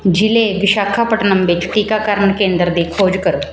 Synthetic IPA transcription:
d͡ʒileʋɪʃaːkʰapəʈnəmʋɪt͡ʃt̪iːkakaːɾməɳkẽːnd̪əɾd̪iːkʰoːd͡ʒkəɾoː

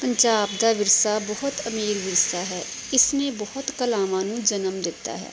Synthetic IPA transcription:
pəɲd͡ʒaːbd̪aːʋɪɾsaːbɔɦʊt̪əmiːɾʋɪɾsaːɦɛː | ɪsnebɔhʊt̪kəlaːmãːnũːd͡ʒənəmd̪ɪt̪ːa̰ːɦɛ̰ː

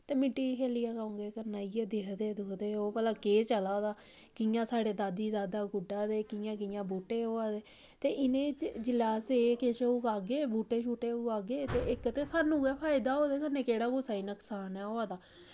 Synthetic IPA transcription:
t̪eːmɪ̃ʈːiːkeːlijaːkaõːŋɡeːkəɾnaːiːɛd̪ɪɦd̪eːd̪oːd̪eːɦoːpəlãːkeːt͡ʃəlaːd̪aː | kɪjãːsaːɽeːd̪aːd̪iːd̪aːd̪aːɡʊɖaːd̪eːkɪjãːkɪjãːbuːʈeːɦoːaːd̪eː | t̪eːʔɪnẽːd͡ʒɪlaːseːkeʃuːkaːɡeːbuːʈeːʃʰuːʈeːuːaːɡeːt̪eːɪkt̪eːsaːnũːɡɛːpʰaːɪd̪aːɦoːd̪eːkəneːkeːɽaːkʊːsaːiːnəksaːnɛːoːaːd̪aː

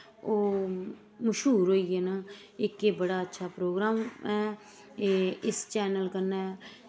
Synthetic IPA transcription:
oː | məʃɦuːɾɦoːiːɛːnaː | ɪkeːbəɽaːətːʃʰaːpɾoːɡɾaːmɛː | ɪst͡ʃɛːnəlkəɾnaː

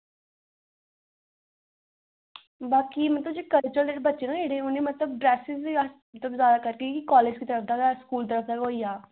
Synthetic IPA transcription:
baːkiːmət̪ləbd͡ʒeːkəlt͡ʃəld̪eːʈbətːʃenãːeːɽẽːʊnːeːmət̪ləb̚ɖɾɛːsɪziəs | t̪əbzjaːd̪aːkəɾkikikɔːleːd͡ʒkiːt̪əɾəfʰd̪aːɡaskuːlt̪əɾəfʰd̪aːkɦoːiːaː

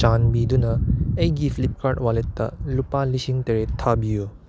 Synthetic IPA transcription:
t͡ʃanbidunɐejɡifʰilip̚kaɾt̚waletːɐ̰lupalisiŋteɾetʰabijo

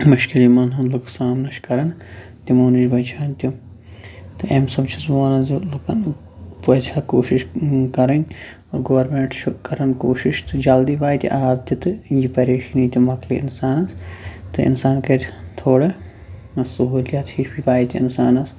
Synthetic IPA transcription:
muʃkilimɐnɦɐnluksaːmnɐʃkɐɾɐn | t̪imuːnid͡ʒbɐt͡ʃʰaːnʲt̪ʲu | t̪ɨʔemsɐbt͡ʃʰismoːnɐzilkɐn | pɐd͡ʒʲʰaːkoːʃiʃkɐɾɐnʲ | ɡɐːɐɾmẽɳʈt͡ʃkɐɾɐnkoːʃiʃt̪ɨd͡ʒɐld̪ibaːjt̪ʲḭʔaːbt̪it̪ɨjipɐɾeːʃinit̪ʲumɐkliɪ̰nsaːnɐst̪ɨɪ̰nsaːnkɐɾʲt̪ʰoːɽɐ | ɐsɐɦuːljat̪hiʃpipaːjt̪ʲiɪ̰nsaːnɐs

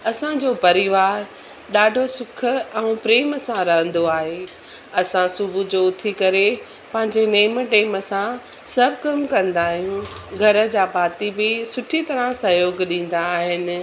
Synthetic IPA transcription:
ɐsãd͡ʑoːpɐɾɪʋaːɾ | ɗaːɖʱosʊkʰə̆ɛ̃ũpɾeːməsãɾɐɦə̃n̆d̪oaːɦeː | ɐsãsʊbʱud͡ʑoːʊt̪ʰikɐɾe | pɐ̃ɦɪ̃ɲd͡ʑeneːmʈeːməsã | sɐbʱkɐmkɐ̃nd̪aːɦijũɡʱɐɾə̆d͡ʑaːpaːt̪ibɪsʊʈʰit̪ɐɾə̃sɐjoːɡɗĩːn̆d̪aːɦɪnɪ̆

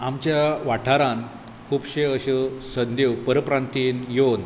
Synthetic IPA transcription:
amt͡ɕjaʋaʈʰaɾan | kʰuːbɕeəɕəsənd̪ewpəɾəpɾant̪iːnjon

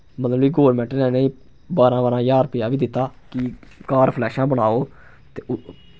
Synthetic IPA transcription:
mət̪ləbiːɡoːɾmɛ̃ːɳʈnẽːneĩː | baːɾãːbaːɾãːjaːɾpɪjaːʋiːd̪ɪt̪ːaːkikaːɾpʰlɛːʃãːbəɳaːoː | t̪eː

